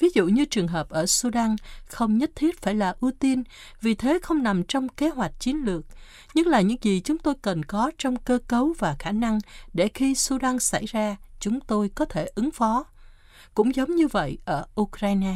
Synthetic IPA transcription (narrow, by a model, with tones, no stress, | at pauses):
vi˨˦zṵ˧˨ɲɨ˧t͡ɕɨ˨˩əŋɦəː˨˩p̚ʔəː˧˩su˧ɗa˧nxə˧wŋ͡mɲə˦˥t̚t̪ʰi˦˥ət̚faː˧˩jlaː˨˩ʔu˧t̪i˧n | vi˨˩t̪ʰe˨˦xə˧wŋ͡mna˨˩mt͡ɕɔ˧wŋ͡mke˨˦ɦwa˨˩jk̟̚t͡ɕi˨˦ənlɨ˨˩ək̚ | ɲɨ˦˥klaː˨˩ɲɨ̰˧˥ŋzi˨˩t͡ɕʊ˨˦ŋ͡mt̪o˧jkə˨˩nkɔ˨˦t͡ɕɔ˧wŋ͡mkəː˧kə˨˦wvaː˨˩xaː˧˩na˧ŋɗe˧˩xi˧su˧ɗa˧ŋsa̰˧˩jzaː˧t͡ɕʊ˨˦ŋ͡mt̪o˧jkɔ˨˦t̪ʰe˧˩ʔɨ˨˦ŋfɔ˨˦ | kʊ̰˧˥ŋ͡mzə˨˦wŋ͡mɲɨ˧və̰˧˨jʔəː˧˩ʔu˧kɾaː˧jnaː˧